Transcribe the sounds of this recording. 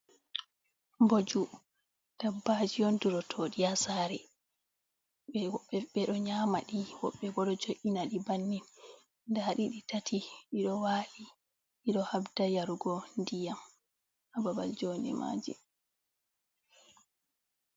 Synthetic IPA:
mbod͡ʒu | d̥abːad͡ʒijɔnduɾɔtʰoːɗiasaːɾɛ | ɓɛwɔɓːɛɓɛɗɔɲaːmaɗiwɔɓːɛɡɔɗɔd͡ʒoʔinaɗibanːin | ndaɗiɗitatʰiiɗɔwaːli | iɗɔhabdajaɾuɡɔndijam | ʔababald͡ʒoːnɛ̰ma̰ːd͡ʒḭ

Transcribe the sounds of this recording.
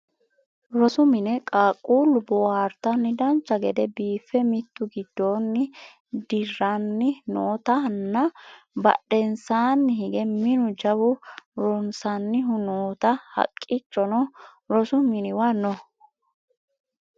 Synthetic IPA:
ɾɔsʊmɪnɛkʼaːkʼːuːlʊbɔwaɾt̪ɐnːɪd̪ɐnt͡ʃːɐɡɛd̪ɛbiːfːɛmɪt̪ːʊɡɪd̪ːo̞ːnːɪ | d̪ɪrːɐnːɪnoːt̪ɐnːɐ | bɐ̰ɗɛnsaːnːɪɦɪɡɛmɪnʊd͡ʒɐbʊɾɔnsɐnːɪɦʊnoːt̪ɐhɐ̰kʼːɪt͡ʃːɔnɔ | ɾɔsʊmɪnɪwɐnɔ

